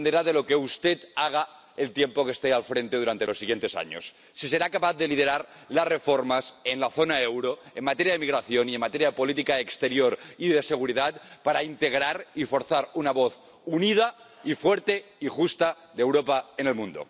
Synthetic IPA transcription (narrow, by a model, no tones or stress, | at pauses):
nd̪eɾaðelo̞keust̪et̪aɣ̞a | elt̪jempokest̪ealfɾent̪eð̞uɾant̪elo̞sːiɣ̞je̞nt̪e̞sa̰ɲo̰sː | ise̞ɾakapaθðelið̞eɾaɾ | lasrefoɾmasenlaθonaewɾoemat̪eɾjaðemiɣɾaθjoniemat̪eɾjaðepo̞lit̪ikaekst̪e̞ɾjoɾiðeseɣ̞uɾiðat̪̚paɾaint̪eɣ̞ɾaɾifo̞ɾθaɾunaβoθ | unið̞a | ifweɾt̪eixust̪a | ðewɾopaenelmũnd̪o̰